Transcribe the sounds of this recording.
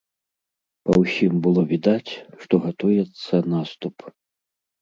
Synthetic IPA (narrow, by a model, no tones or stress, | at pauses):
pɐwsʲimbɨlˠɔvʲid̪at͡sʲʂt̪ɔɣat̪ɔjɛt̪sːɐnast̪up